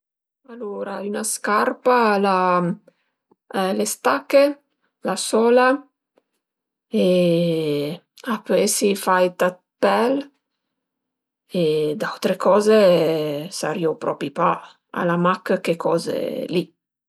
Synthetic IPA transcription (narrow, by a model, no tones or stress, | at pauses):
aloɾaynaskarpala | ɛlest̪akːe | lasɔːla | e | apøɛsifajt̪at̪̚pɛl | ed̪awt̪ɾekɔːze | sa̰ɾiopɾɔ̰pipa | a̰lamakːkekʰɔːzḛli